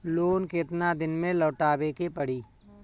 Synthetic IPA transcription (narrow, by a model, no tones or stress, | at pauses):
loːnket̪nad̪ɪnmẽlɔːʈaːbekepəɽ̤iː